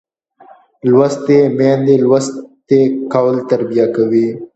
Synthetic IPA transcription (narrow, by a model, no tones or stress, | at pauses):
lwast̪emẽnd̪elwast̪ekawlt̪ɐɾbijakawi